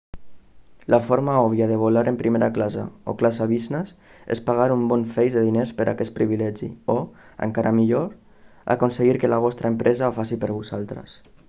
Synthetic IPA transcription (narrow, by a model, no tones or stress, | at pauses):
lafoɾmaɔβ̞jaðəβ̞olaɾempɾimeɾaklazə̰o̰klasaβiznəsḛspaɣ̞aɾumbɔnfejzðəðinespəɾʔa̰kɛt̪pɾiβilɛʒḭoə̰ŋkaɾamiʎoɾ | a̰konseɣiɾkəlaβ̞ɔst̪ɾaempɾʔɛzaofasipəɾβuzalˠt̪ɾə̰s